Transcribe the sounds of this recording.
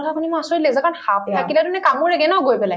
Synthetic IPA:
ɔtapʰunimasɔɹilezakanxapakiladunɛkamuɹɛɡɛnɔɡojpɛlaj

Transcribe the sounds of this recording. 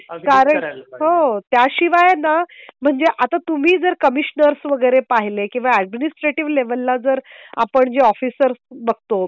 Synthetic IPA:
kaɾəɳɦot̪jaɕiʋajnam̤əɳd͡zeʔat̪at̪um̤iːd͡zəɾkəmiɕnəɾsʋəɡəjɾepaɦilekĩw̃ʋaɛɖ̚minisʈɾeʈiʋleʋəlːad͡zəɾa̰pəɳd͡ʑeɔfisəɾsbəɡ̚ʱt̪o

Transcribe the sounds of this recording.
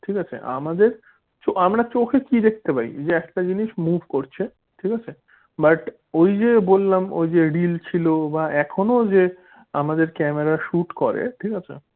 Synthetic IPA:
ʈʰikat͡ɕʰḛʔa̰mad̪eɾ | t͡ɕoamɾat͡ɕokʰekid̪ek̚ʰt̪epaḭd͡ʑeɛk̚ʈad͡ʑiniʃmubʱkoɾt͡ɕʰe | ʈʰikat͡ɕʰe | baʈ | ojd͡ʑebolːamo̰jd͡ʑeɖilt͡ɕʰilobaʔɛkʰonod͡ʑe | a̰mad̪eɾkɛmeɾaʃuʈkɔɾḛʈʰikat͡ɕʰḛ

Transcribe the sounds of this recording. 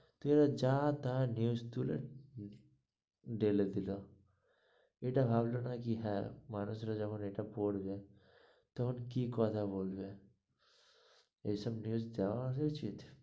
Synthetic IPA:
t̪eɾad͡ʒaːt̪anjuːst̪uːlḛ | ɖeːled̪ɪlo | eːʈabʱaːblonakiɦɛːmaːnusɾad͡ʒɐbʊneʈapoːɽbe | t̪oɦʊnkikɔːt̪aboːlbe | esɐbnjuːzd̪aaset͡ʃʰit̪ʰ

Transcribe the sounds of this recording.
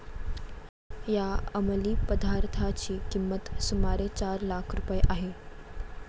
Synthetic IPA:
jaəməliːpəd̪ʱaɾt̪ʰat͡ɕiːkimːət̪sumaɾet͡ɕaɾlakʰɾupəjeʔaɦe

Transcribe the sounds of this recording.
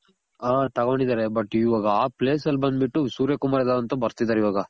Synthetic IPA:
at̪ɐɡoːɳɖid̪aːɾebɐʈːiʋaːɡɐaːpleːsɐlbɐnd̪biʈːusuːɾjɐkumaːɾed̪aːd̪ɐnt̪ɐbɐɾt̪id̪ːaːɾiʋaːɡɐ

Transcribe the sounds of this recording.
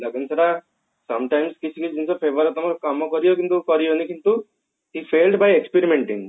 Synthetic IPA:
lɐɡinsɐɾa | sɐmʈajmskit͡ʃʰikiid͡ʒinsopʰeːʋɐɾt̪ɔmɐɾkɐmːokɔɾijokint̪ukɔɾijonikint̪u | ɦifʰeːlɖbajekspeɾimeɳʈĩŋ

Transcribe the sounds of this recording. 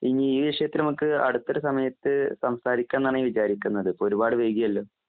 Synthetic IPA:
iŋːiiːʋiʂɐjɐt̪ːilnɐmukːɨɐ̰ɽut̪ːoɾusɐmɐjɐt̪ːɨsɐmsaːɾikʲːaːnːaːɳiʋit͡ɕaːɾikʲːunːɐðɨpoɾubaːɽɨʋe̞ːɡijɐlːo̞ː

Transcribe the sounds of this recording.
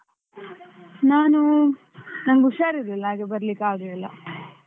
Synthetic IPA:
naːnu | nɐmɡuʂaːɾid̪ilːaːɡebɐɾɐlikːaːɡɐilːɐ̰

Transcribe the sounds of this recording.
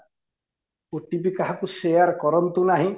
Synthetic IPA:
oʈibikaɦakusejaɾkɔɾɔnt̪unaɦĩ

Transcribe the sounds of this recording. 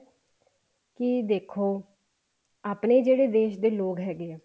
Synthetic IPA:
kɪd̪eːkʰoː | aːpneːd͡ʒeːɽeːd̪eːʃd̪eːloːɡɦɛːɡeɛː

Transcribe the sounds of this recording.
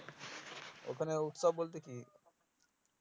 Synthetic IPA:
o̰kʰəneuʈsaboːlt̪eki

